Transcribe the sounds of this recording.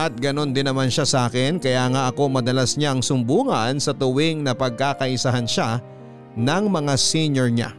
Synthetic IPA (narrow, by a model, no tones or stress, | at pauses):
ʔɐt̪̚ɡɐno̞nd̪ɪnːɐmanʃasɐʔaːkɪnkɐjaːŋaʔɐko̞mɐd̪ɐlasɲaʔɐŋsʊmbuːŋɐnsɐt̪ʊwɪŋnɐpɐɡ̚kakɐʔɪsaɦanʃa | nɐŋmɐŋasiɲjoɹɲa̰